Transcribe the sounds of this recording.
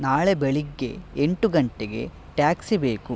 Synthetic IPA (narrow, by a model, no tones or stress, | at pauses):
naːɭebeɭiɡːe̞̰eɳʈuɡɐɳʈeɡe̞̰ | ʈjaːksibe̞ːku